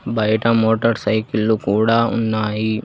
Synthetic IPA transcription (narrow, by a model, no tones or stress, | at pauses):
baːiʈãmoːʈəɾsaikɪlːukuːɽaːʊ̰nːaːiː